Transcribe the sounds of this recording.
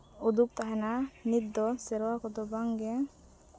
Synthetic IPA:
ud̪uk̚t̪aɦɛnanit̪̚d̪ɔsɛɾwakɔd̪ɔbaŋɡɛ

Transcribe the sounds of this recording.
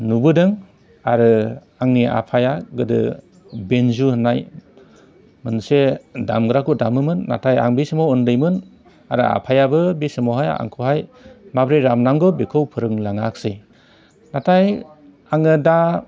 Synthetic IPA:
nubɯdɯŋ | aɾɯ | aŋnia̰pʰajaɡɯdɯ̰ | benzuhɯnːaj | mɯnseda̰mɡɾakʰudamɯmɯnːa̰tʰaja̰ŋbisɯmɔwɯndɯjmɯn | aɾɯa̰pʰajabɯbisɯmɔwɦaja̰ŋkʰuhajmabɾeɾamnamɡɔbekʰɯwpʰɯɾɯŋlaŋak̚sɯj | natʰaj | aŋɯda

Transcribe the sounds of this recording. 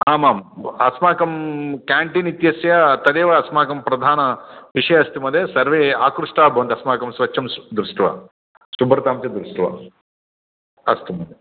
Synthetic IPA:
aːmaːmɐsmaːkɐmkaːɳʈinit̪jɐsjɐt̪ɐd̪eːʋɐɐsmaːkɐmpɾɐd̪ʱaːnɐʋiʂɐjɐɐst̪imɐd̪eːsɐɾʋeːaːkɾuʂʈaːbʱɐʋɐnd̪ɐsmaːkɐmsʋɐt͡ʃːʃɐmd̪ɾusʈuʋa̰ː | ʃubɾɐt̪aːmt͡ʃɐd̪ɾusʈuʋa̰ː | ɐ̰st̪imɐd̪e

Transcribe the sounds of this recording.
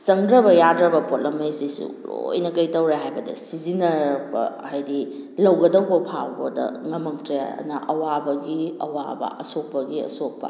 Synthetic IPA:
sɐŋdɾɐbɐjadɾɐbɐpot̚lɐmejsisṵɾo̰jnɐkɐjtɐwɾeɦajbɐdɐ̰sizinɐɾbɐ̰ | hajdi | lɐwɡɐdɐwbɐpʰawbɐ̰dɐ̰ŋɐmɐŋtɾeɐ̰nɐʔɐwabɐɡiɐwa̰bɐ̰ʔɐsok̚pɐɡiɐ̰sok̚pɐ̰

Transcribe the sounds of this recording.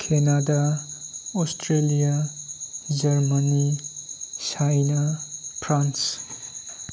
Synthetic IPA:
kʰenada | ɔstʰɾelija | d͡ʒʌɾmani | sajnapʰɾans

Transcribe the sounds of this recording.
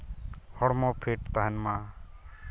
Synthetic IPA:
hɔɽmõːpʰeːʈt̪aːɦənmãː

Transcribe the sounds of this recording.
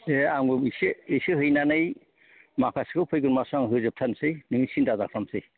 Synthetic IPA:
eaŋbɯmisɯijsɯɦɯjnanɯj | makʰaskʰɯwpʰɯjɡɯnmasaŋɦɯzɯp̚tʰansɯjnɯmisindazak̚ʰɾamsɯj

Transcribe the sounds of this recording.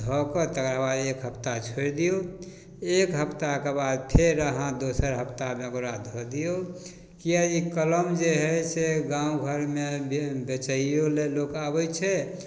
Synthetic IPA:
d̪ʱɔkət̪əkɾabad̪ekɦəpt̪at͡ʃʰoɾd̪ijo | ekɦəpt̪akebad̪̚pʰeɾəɦãd̪osəɾɦəpʰt̪amẽəkɾad̪ʱɔd̪ijo | kijaikələmd͡ʒeɦɛseɡãũɡʱəɾmebet͡ʃəijolelokabɛt͡ʃʰɛ

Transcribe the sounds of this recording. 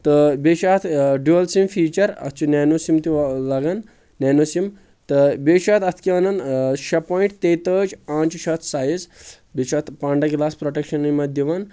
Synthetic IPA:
t̪əbeːʃaːt̪ʰɖuɐlsimfiːt͡ʃɐɾɐ̰t̪ʰt͡ʃunɛːnosimt̪ilɐɡan | nɛnosim | t̪əbeːʃaːt̪ɐt̪ʰkiɐnɐnʃɐpɔːĩɳʈt̪et̪əːd͡ʒãːnt͡ʃiʃɐt̪ʰsaːjiz | beʃat̪paːɳɖɐɡilaːspɾoʈekʃɐnɐnimɐd̪iʋan

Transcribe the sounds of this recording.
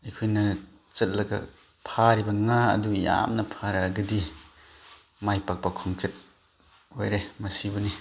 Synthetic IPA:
ikʰujnɐ | t͡ʃɐt̚lɐɡa̰ | pʰaɾibɐŋa̰ːduja̰mnɐpʰaɾaɡɯdi | majpak̚bakʰɔŋt͡ʃet̚ | ojɾemɐsibɯni

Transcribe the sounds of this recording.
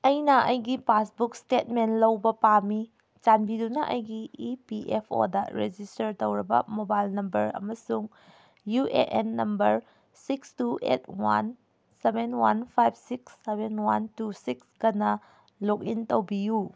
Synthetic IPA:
ɐjnɐʔɐjɡipasbuk̚stet̚menlɐwbɐpami | t͡ʃanbidunɐʔɐ̰jɡiipiʔepʰo̰dɐ̰ɾed͡ʒistɐɾtowɾɐbɐ̰mobajlnɐmbɐɾɐ̰mɐsuŋ | juʔeʔenːɐmbɐɾ | sikstuʔḛt̚wa̰n | sebenwanpʰajb̚siksːebenwantusikskɐnɐ | lok̚intowbiju

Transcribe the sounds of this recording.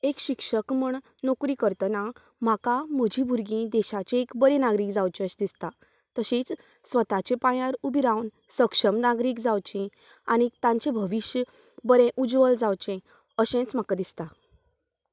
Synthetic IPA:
ekɕikʂəkməɳ | nokɾikəɾt̪əna | m̤akam̤əd͡ʑʱibuɾɡĩd̪ɛɕat͡ɕeekbəɾẽnaɡɾiːkd͡zawt͡ɕeəɕd̪ist̪a | t̪əɕit͡s | sʋət̪at͡ɕẽpãjaɾubiɾãwn | səkʂəmnaɡɾiːkd͡zawt͡ɕĩ | añit̪ãɲt͡ɕẽbʱəʋiɕj | bəɾẽʔud͡zʋəld͡zawt͡ɕẽ | əɕẽt͡sm̤akad̪ist̪a

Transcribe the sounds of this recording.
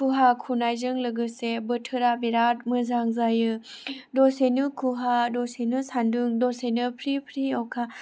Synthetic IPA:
kʰuɦakʰunajzɯŋlɯɡɯsebətʰɯɾabeɾat̚mɯzaŋzajɯdɔsenɯkʰuɦadɔsenɯsanduŋdɔsenɯpʰɾipʰɾiɔwkʰa

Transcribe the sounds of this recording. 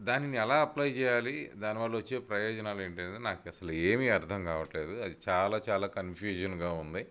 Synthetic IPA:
d̪aːniniɛlaːɐplajt͡ʃɛːjaːlid̪aːniʋaːɭːuʋɐt͡ʃːe̞ːpɾɐjɔːd͡ʒɐnaːleːɳʈɐnd̪inaːkɐsɐlueːmiɐɾt̪ʰɐŋkaːʋɐʈle̞ːd̪uɐd̪it͡ʃaːlaːt͡ʃaːlaːkɐnpʰjuːd͡ʒɐnɡaːund̪i

